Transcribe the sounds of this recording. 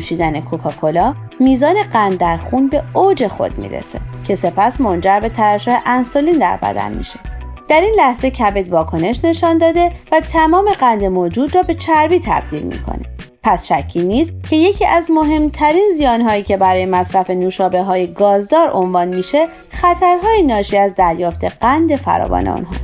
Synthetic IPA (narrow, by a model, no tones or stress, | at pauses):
uʃiːd̪æne̞kʰokʰɒːkʰo̞lɒː | miːzɒːne̞ɢænd̪ːæɾxuːnbe̞od͡ʒe̞xo̰d̪mḭːɾḛse̞̰cʰe̞se̞pʰæsmo̞nd͡ʒæɾbe̞t̪ʰæɾæʃoːheʔænsoliːnd̪æ̰ɾbæ̰d̪æ̰nmḭʃe̞̥ | d̪̥æɾinlæhze̞cʰæbed̪vɒːkʰo̞ne̞ʃne̞ʃɒnd̪ɒːd̪e̞væt̪ʰæmɒːme̞ɣænd̪e̞moːd͡ʒuːd̪rɒːbe̞t͡ʃʰæɾviːt̪ʰæ̰b̥̚d̪iːlmḭkʰo̰ne̥̰ | pʰæsʃæcʰːiːniːst̪̚cʰe̞je̞cʰiːʔæzmo̞ɦe̞mt̪ʰæɾiːnzijɒːnɦɒːiːcʰe̞bæɾɒːjemæsɾæfe̞nuːʃɒːbe̞ɦɒːjeɡɒːzd̪ɒːɾo̞nvɒːnmiːʃe̞ | xæt̪ʰæɾɦɒːjenɒːʃiːæzd̪æɾjɒːft̪ʰe̞ɢ̥ænd̪e̞fæ̰ɾɒ̰ːvɒ̰ːnḛṵnɦɒ̰